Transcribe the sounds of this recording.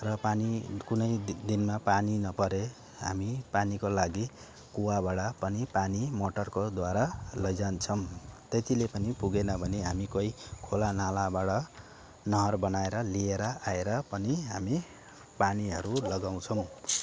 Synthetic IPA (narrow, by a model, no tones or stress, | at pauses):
rʌpanikunʌjd̪inmapaninʌpʌɾe | ɦa̰mipanikolaɡi | kuwabaɽapʌnipanimoʈʌrkod̪waɾalʌd͡zant͡sʰʌmt̪et̪ilepʌnipuɡenʌbʱʌneɦamikoikʰolanalabaɽʌ | nʌɦʌrbʌnaeɾʌlieɾʌʔaeɾʌpʌniɦami | paniɦʌɾulʌɡaw̃t͡sʰʌw̃